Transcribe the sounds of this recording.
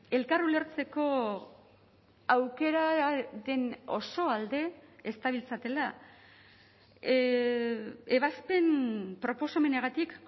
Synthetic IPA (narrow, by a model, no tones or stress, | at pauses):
e̞lkarule̞ɾt͡se̞ko̞ | awke̞ɾaɾe̞no̞̰so̞ald̪e̞ːst̪aβilt͡sat̪e̞la | e̞βaspe̞npɾo̞po̞same̞neɣ̞at̪ik